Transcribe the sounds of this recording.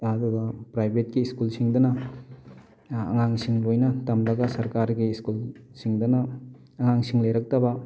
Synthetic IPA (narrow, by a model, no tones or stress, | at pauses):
ɐduɡɐpɾajbʱet̚kiːskulsiŋdɐnɐ | ŋaŋsiŋlojnɐtɐmlɐɡɐsɐɾkaɾɡiːskulsiŋdɐnɐː | ŋaŋsiŋlejɾɐk̚tɐbɐ